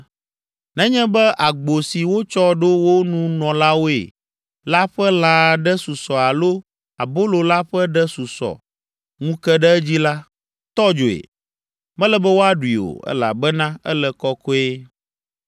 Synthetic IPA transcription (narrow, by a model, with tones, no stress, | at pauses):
nɛ̃˦ɲɛ̃˦bɛ˦ʔa˨ɡ͡bo˨si˨wo˦t͡ʃɔ˦ɖo˦wo˦nũ˦nɔ̃˨la˦wo˦ḛ˨ | la˦ɸɛ˦l̃ã˨ɖɛ˦su˨sɔ˨a˨lo˦ | a˨bo˦lo˨la˦ɸɛ˦ɖɛ˦su˨sɔ̰˨ | ŋũ˦kɛ˦ɖɛ˦ɛ˦d͡ʑi˦la˦ | t̪ɔ˦d͡ʒo˨ḛ˨ | mɛ̃˦lɛ˦bɛ˦wo˦a˦ɖu˨i˨o̰˨ɛ̰˦la̰˨bɛ˦nã˦ɛ̰˦lɛ˨kɔ˦kɔ˦e˦